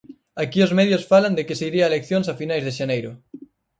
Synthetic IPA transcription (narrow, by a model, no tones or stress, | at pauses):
akiozmɛðjosfaland̪ɪkɪseiɾiaelekθjoŋsafinajzðɪʃanejɾʊ